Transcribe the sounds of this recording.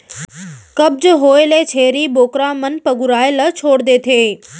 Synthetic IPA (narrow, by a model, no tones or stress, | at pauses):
kɐb̚d͡ʑɦoːelet͡ɕʰeːɾiboːkɾãmɐnpɐɡʊɾaːɪlət͡ɕʰoːɽd̪eːt̪ʰeː